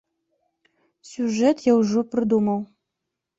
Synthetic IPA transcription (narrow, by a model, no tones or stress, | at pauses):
sʲuʐɛt̪jauʐoprɨd̪uməw